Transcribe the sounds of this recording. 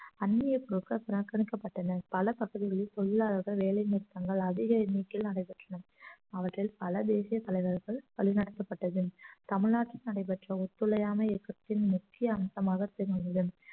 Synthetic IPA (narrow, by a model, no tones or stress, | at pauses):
ɐnmɪjɐpʊɾɯkːɐpɪɾɐkːɐɳɪkːɐpːɐʈːɐnɐpɐlɐpɐɣɐðɪɣɐɭɪlt̪ɔlːɪlaːlɐɾɣɐɭʋeːɭɐɪniːɾt̪ːɐŋɡɐɭɐðɪɣɐɛnːikːɪlnɐɽɐɪpɐʈrɐnɐ | ɐʋɐʈrɪlpɐlɐd̪eːsɪjɐt̪ɐlɐɪʋɐɾɣɐɭpɐɭɪnɐɽɐt̪ːɐpːɐʈːɐðɯt̪ɐmɪɭnaːʈrɪnɐɽɐɪp̬ɐʈrɐʊt̪ːɯɭɐjaːmɐɛkːɐt̪ːɪnmʊkːɪjɐːmɐsɐmaːɣɐt̪ɛɾɐnd̪ɐðɯm